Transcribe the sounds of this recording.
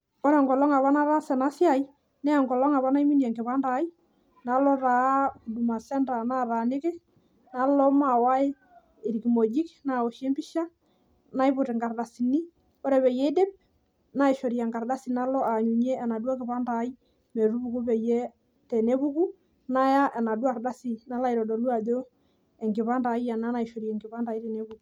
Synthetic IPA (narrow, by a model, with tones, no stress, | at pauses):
ɔ˦ɾɛ˨ŋɡɔ˨lɔ˦ŋa˨βa˦na˦ɾa˦sɛ˨na˦sja˨i˦ | nɛ˦˨ŋɡɔ˨lɔ˦ŋa˨βa˦na˦jmi˦njɛ˨ŋɡɪ˨pa˦nda˨˦i˦ | na˨˦lɔ˦ɾa˨˦˨du˨ma˨sɛ˦nda˨na˦˨ɾa˨ne˦kɛ˦ | na˨˦lɔ˦ma˨wa˦e˦ | ɪ˨ɾki˨mo˨d͡ʒi˦kna˨ɔ˨ʃɛ˦mbi˦ʃa˦ | na˦jbʊ˨te˨ŋɡa˨rda˨si˨ni˦ | o˦ɾɛ˨βɛ˨jɛ˦i˦de˦p̚ | na˦i˨ʃo˨ɾja˨ŋɡa˨rda˦si˨na˦lɔ˦ʔa˨ɲu˨ɲɛ˦ɛ˨na˨dwa˦kɪ˨pa˦nda˨˦i˦ | mɛ˨ɾu˦bu˦ku˦pɛ˨jɛ˦ | tɛ˨ne˦βu˦ku˦ | na˦ja˦ʔɛ˨na˨dwa˨rda˦si˦na˨˦la˦i˨ɾɔ˨dɔ˨lu˦a˨do˦ | ɛ˨ŋɡɪ˨βa˦nda˨i˦ja˨na˦na˨i˨ʃo˨ɾjɛ˨ŋɡɪ˨βa˦nda˨i˦ɾe˨ne˦βu˨k